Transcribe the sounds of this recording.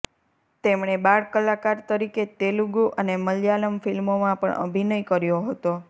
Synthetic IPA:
t̪emɳ̃ebaɭkəlakaɾt̪əɾiket̪eluɡuʔəneməljaləmfilmomãpə̰ɳʔə̰bʱinəjkəɾjoɦət̪o

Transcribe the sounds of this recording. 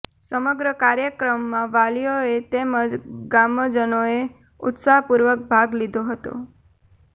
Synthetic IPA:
səməɡɾəkaɾjəkɾəmːãʋalijoet̪eməd͡ʒɡaməd͡ʒənoe | ʊ̰t̪saɦpuɾʋək̚bʱaɡlid̪ʱoɦət̪o̰

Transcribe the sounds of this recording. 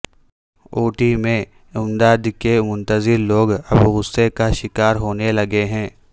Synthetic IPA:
oːʈimẽ | ʊmd̪aːd̪kemʊ̃nt̪əzɪɾloːɡɐbɣʊsːekaʃɪkaːɾɦoːnelɐɡeɦɛ̃ː

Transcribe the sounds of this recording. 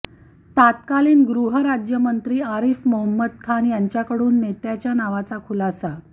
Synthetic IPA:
t̪at̪kaliːnɡɾuɦəɾad͡ʑjəmənt̪ɾiːaɾifməɦəmːəd̪kʰanjaɲt͡ɕjakəɽuːnːet̪jat͡ɕjanaʋat͡sakʰulasa

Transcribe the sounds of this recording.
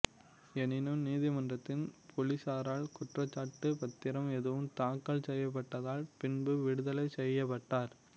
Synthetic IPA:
ɛnɪnɯmniːðɪmɐndrɐt̪ːɪnpʰɔlɪsaːɾaːlkʊʈrɐt͡ʃːaːʈːɯpɐt̪ːɪɾɐmɛðɯʋɯmt̪aːkːɐɭsɛjːɐp̬ːɐʈːɐðaːlpɪnbɯʋɪɽɯðɐlɐɪsɛjːɐp̬ːɐʈːaːɾ

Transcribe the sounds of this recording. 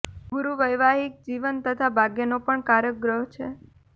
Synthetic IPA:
ɡuɾuʋəjʋaɦik̚d͡ʒiʋənt̪ət̪ʰabʱaɡjenopəɳkaɾjəɡɾəɦt͡ʃʰe

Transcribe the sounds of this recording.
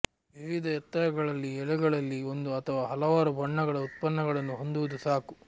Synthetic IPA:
ʋiʋid̪ɐjɛt̪ːɐjɐɡɐɭɐlːiɛɭuɡɐɭɐlːiond̪uɐt̪ʰɐʋaːɦɐlɐʋaːɾubʱɐɳːɐɡɐɭɐut̪̚pɐnːɐɡɐɭɐnːuɦo̞nd̪uʋud̪usaːku

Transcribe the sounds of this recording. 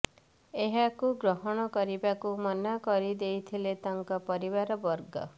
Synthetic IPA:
eɦakuɡɾɔɦɔɽ̃ɔkɔɾibakumɔnakɔɾid̪ejt̪ʰilet̪aŋkɔpɔɾibaɾɔbɔɾɡɔ̰

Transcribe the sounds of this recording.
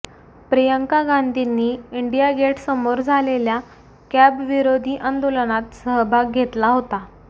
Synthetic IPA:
pɾejəŋkaɡand̪ʱinːiːiɳɖijaɡeʈsəmoɾd͡zʱalelja | kæbʋiɾod̪ʱiːʔənd̪olənat̪səɦbʱaɡ̚ɡʱet̪laɦot̪a

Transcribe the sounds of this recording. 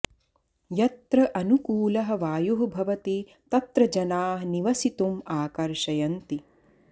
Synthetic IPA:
jɐt̪ɾɐʔɐnukuːlɐɦɐ̆ʋaːjuɦɐbʱɐʋɐt̪i | t̪ɐt̪ɾɐd͡ʒɐnaːɦniʋɐsit̪umaːkɐɾʃɐjɐnt̪i

